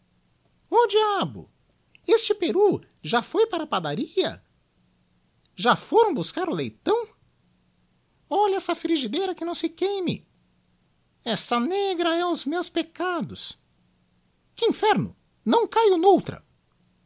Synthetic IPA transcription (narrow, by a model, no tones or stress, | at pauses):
od͡ʒiabʊ̰ | est͡ʃɪpeɾu | ʒafojpaɾɐpad̪aɾiɐ̰ | ʒafoɾɐ̃w̃buskaɾʊlejt̪ɐ̃w̃ | ɔʎɐɛsɐfɾiʒid̪ejɾɐkɪnɐ̃w̃sɪkejmɪ̰ | ɛsɐneɡɾɐɛʊzmewspekad̪ʊs | kɪĩfɛɾnʊ̰ | nɐ̃w̃kajʊnowt̪ɾɐ̰